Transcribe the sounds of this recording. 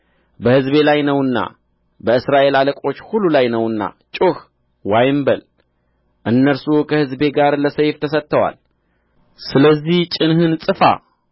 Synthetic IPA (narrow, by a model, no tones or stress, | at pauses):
bəhɨzbe̞lajnəwɨnːa̰ | bəɨsɾaʔe̞laləkʼo̞t͡ʃːhulːulajnəwɨnːa̰ | t͡ʃʼuh | wajɪmbəl | ʔɨnːəɾsukʰəhɨzbe̞ɡaɾləsəjft̪ʰəsət̪ːəwa̰l | sɨləzːiht͡ʃʼɪnhɨnsʼɨfa̰